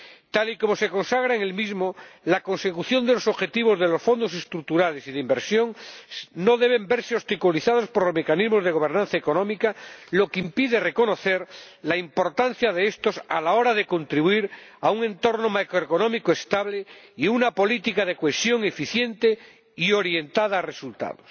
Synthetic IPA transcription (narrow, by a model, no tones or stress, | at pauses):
t̪aliko̞mo̞se̞ko̞nsaɣɾaeŋelmizmolako̞nse̞kuθjo̞nd̪e̞lo̞so̞βxe̞t̪iβ̞o̞zðe̞lo̞sfo̞nd̪o̞se̞st̪ɾuk̚t̪uɾale̞siðeimbe̞ɾsjo̞ŋno̞ðe̞β̞e̞mbe̞ɾseost̪ikuliθað̞o̞spoɾlozme̞kanizmozðe̞ɣ̞o̞β̞e̞ɾnãn̟θaeko̞nõmikalo̞keimpiðere̞ko̞no̞θe̞ɾlaimpo̞ɾt̪an̟θjaðeest̪o̞sa̰lao̞ɾaðe̞ko̞nt̪ɾiβwiɾauŋẽ̞nt̪o̞ɾnomakɾoekonõ̞mikoest̪aβleiunapo̞lit̪ikaðe̞koesjo̞ŋe̞fiθje̞nt̪e | ioɾje̞nt̪aðaːre̞sult̪a̰ðos